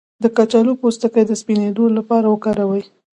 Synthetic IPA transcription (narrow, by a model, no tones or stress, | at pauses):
d̪əkat͡ʃalopost̪əkəjd̪əspined̪olapɑɾawəkɑɾawəj